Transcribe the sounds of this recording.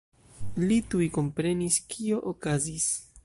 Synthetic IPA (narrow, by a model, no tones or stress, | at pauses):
litujko̞mpɾe̞niskʰio̞ʔokazis